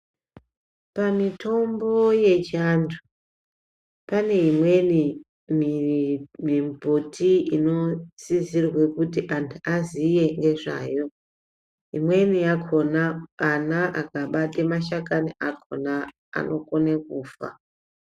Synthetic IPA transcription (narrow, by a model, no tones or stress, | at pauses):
pamitʰo̞mbo̞je̞t͡ʃantʰu | pane̞ɦimwe̞ni | m | mimbʱotʰiino̞sizirwe̞kutiʔantʰuʔazije̞ŋɡe̞ʐa̰ːjo̞ | ɦimwe̞nijakʰo̞naːnaʔakaɓatemaʃakaniʔakʰo̰na | a̰nʔo̞konek̚uːfa̰